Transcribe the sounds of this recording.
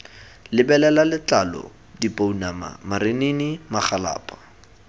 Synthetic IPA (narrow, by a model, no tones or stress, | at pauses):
lɪbɛlɛlalɪt͡ɬalɔ̰ | dipʼounama̰maɾenenimaχala̰ːpʼḁ